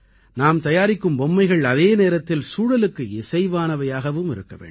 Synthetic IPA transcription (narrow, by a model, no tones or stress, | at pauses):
naːmt̪ɐjaːɾɪkːɯmbɔmːɐɪɣɐɭɐðeːneːɾɐt̪ːɪlsuːɽɐlɯkːɯɪsɐɪʋaːnɐʋɐjaːɣɐʋɯmɪ̰ɾɯkːɐʋḛːɳɖ